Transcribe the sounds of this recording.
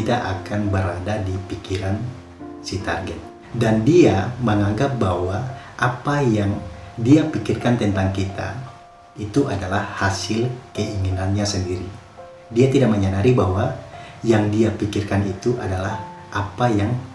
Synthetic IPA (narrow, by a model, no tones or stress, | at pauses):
it̪aʔakanbəɾadadipikiɾan | sit̪arɡɛt̪̚ | dandiaməŋaŋɡap̚bahɦwaʔapajaŋdiapikirkant̪ɛnt̪aŋkit̪a̰ | it̪uʔadalahhasɪlkəiŋinanɲasəndiɾi | diat̪idaʔ̚məɲanaɾibahwajaŋdiapikirkanit̪uʔadalah | ʔapajaŋ